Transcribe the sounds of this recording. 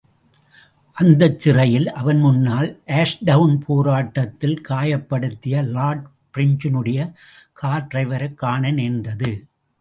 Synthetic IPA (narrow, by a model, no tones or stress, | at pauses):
ʔɐnd̪ɐt͡ʃːɪrɐjɪlʔɐʋɐnmʊnːaːlʔeːʂɖɐʋnpʰoːɾaːʈːɐt̪ːɪlkaːjɐpːɐɽɯt̪ːɪjɐlaːɖ | pɾɪɲd͡ʒɪnɯɽɐjɐ | kʰaːɾʈɾɐɪʋɐɾɐkːaːnɐneːnd̪ɐðɯ